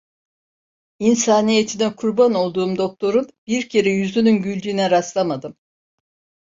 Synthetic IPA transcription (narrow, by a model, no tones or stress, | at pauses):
insaːnije̞t̪ʰinɛkʰuɾbano̞lˠd̪uːmd̪o̞k̚t̪ʰo̞ɾunb̥iɾcʰe̞ɾɛjyzynynɟylʲd̪iːnɛɾaslˠamad̪ɯm